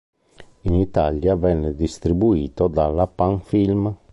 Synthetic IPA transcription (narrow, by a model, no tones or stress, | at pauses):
init̪aljavɛnːed̪ist̪ɾibuiːt̪od̪alapaŋfilm